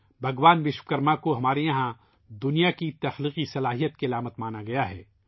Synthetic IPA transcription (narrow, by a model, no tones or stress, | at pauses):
bʱɐɡʋaːnʋɪʃwkɐɾmakoɦɐmaːɾejɐɦã | d̪ʊnijakit̪ɐxliːqisɐlaːɦijət̪̚kiɐlaːmət̪maːnaɡɐjaɦɛ̰ː